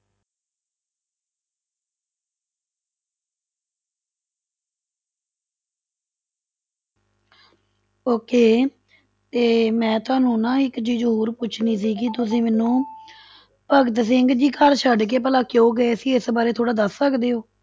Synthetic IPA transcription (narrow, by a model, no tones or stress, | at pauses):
oːkeː | t̪eːmɛ̃ːt̪ʊaːnũːnãːɪkd͡ʒiːd͡ʒɦuːɾpʊt͡ʃʰniːsiːkɪt̪̬ʊsĩːmɛːnũː | pəɡt̪sɪŋɡd͡ʒiːkəɾt͡ʃʰəɖkeːp̬əlãːkjõːɡəeːsiːɪsbaːɾeːt̪ʰoːɽaːd̪əssəkd̪eːɦoː